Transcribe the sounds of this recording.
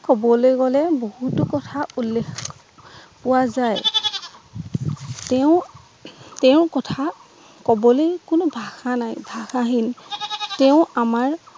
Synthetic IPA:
kɔbɔlojkɔlɛbohutʊkɔtʰaulːek | pʊwazaj | tɛʊ̃ | tɛʊ̃kɔtʰa | kɔbɔlojkʊnʊbʱaxanajbʱaxaɦintɛʊ̃amaɹ

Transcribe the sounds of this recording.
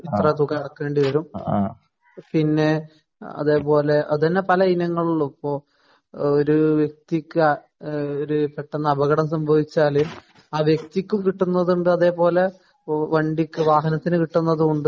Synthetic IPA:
it̪rɐd̪ukɐɽɐkːe̞ːɳɖiʋɐɾum | pinːe̞ | ɐ̰ðe̞ːpo̞ːle̞ʔɐ̰ðɐnːepɐlɐinɐŋːɐɭuɭːupːoː | oɾuʋjek̚t̪ikʲːɨ | oɾupeʈːɐnːɐɐbɐɣɐɽɐmsɐmbʱɐʋit͡ɕːaːlim | aːʋjek̚t̪ikʲːumkiʈːunːɐðuɳɖɨɐðe̞ːpo̞ːle̞ | ʋɐɳɖikʲːɨʋaːɦɐnɐt̪ːinɨkiʈːunːɐðuuɳɖɨ

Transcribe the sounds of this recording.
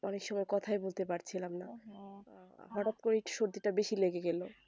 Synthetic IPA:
ɔnekʃɔmɔekɔt̪ʰaebolt̪epaɾt͡ɕʰilamna | ɦɔʈat̪̚koɾeʈʃoɾt̪iʈabeʃileɡeɡelo

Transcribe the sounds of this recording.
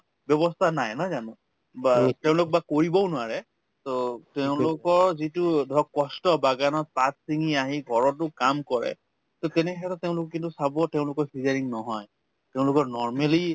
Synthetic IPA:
bjɔbɔstʰanajnɔjzanɔ̃ | bateʊ̃lʊk̚bakoɹibɔʊnʊwaɹɛ | toteʊ̃lʊkɔɹzitʊdʱɔkkːɔstɔbaɡanɔpatsiŋiaɦiɡʱɔɹɔt̬ʊkamkɔɹɛ̰ | totɛnɛɦɛtɔteʊ̃lʊkɔkintusabɔteʊ̃lʊkɔɹfʰizaɹiŋnɔɦɔj | teʊ̃lʊkɔɹnɔɹmeli

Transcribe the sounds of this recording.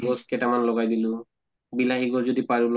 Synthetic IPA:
ɡɔskɛtamanlɔɡajdilʊ | bilaɦiɡɔzɔdipaɹul

